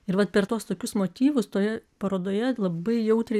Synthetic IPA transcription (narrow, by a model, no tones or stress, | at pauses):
ɪɾʋɐt̪̚pʲɛrt̪oːst̪oːkʲʊsmoːt̪ʲiːʋʊst̪oːjɛpɐɾoːd̪oːjɛlˠɐbɐɪjɛʊt̪ʲɾʲɛɪ